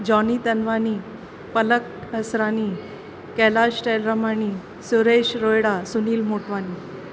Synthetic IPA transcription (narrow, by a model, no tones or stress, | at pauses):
d͡ʑɔnit̪ənʋani | pələk̚əsɾaniː | kɛlaɕʈelɾəmani | suɾeɕɾojɽasuniːlmoʈʋaniː